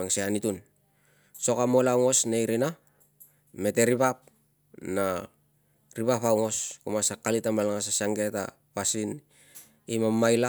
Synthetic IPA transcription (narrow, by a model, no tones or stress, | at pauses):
aŋseanitun | so̞kamolawŋo̞snejɾina | me̞te̞ɾipap̚ | na | ɾipapawŋo̞skomasakalitamalaŋas̬asaŋɡe̞ta̰ | pasin | imamːajla